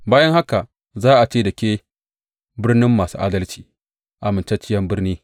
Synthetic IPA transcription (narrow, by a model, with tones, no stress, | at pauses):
baː˦jɐ˦ŋha˦ka˨ | zaː˦ʔa˨t͡ʃeː˦˨dɐ˨kʲeː˦ | bɪ˦rnɪ˦mːaː˨sṵː˦ʔa̰ː˦dɐ˦lt͡ʃi̥ː˨ | ʔa˨mɪ˨nt͡ʃa˦t͡ʃɪ˦jɐ˦mbɪ˦rniː˦